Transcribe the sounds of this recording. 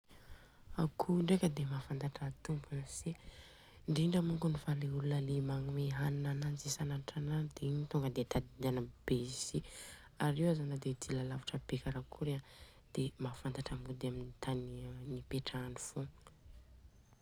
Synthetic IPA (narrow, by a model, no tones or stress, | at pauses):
akʰuɳɖ͡ʐekəd̪emafant̪aʈ͡ʂat̪umbunse | ɳɖ͡ʐiɳɖ͡ʐəmuŋɡunivaleulunəlimaŋumeɦannananzisanaʈ͡ʂanad̪eiɲit̪uŋɡəd̪et̪ad̪id̪anəbezi | aɾewazanəd̪ed̪ilalavaʈ͡ʂəpekaɾakʰuɾea | d̪̥emafant̪aʈ͡ʂambud̪eaminit̪annipeʈ͡ʂanifu